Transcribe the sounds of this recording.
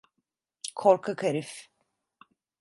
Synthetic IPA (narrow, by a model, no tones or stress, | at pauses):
kʰoɾkʰakʰaɾif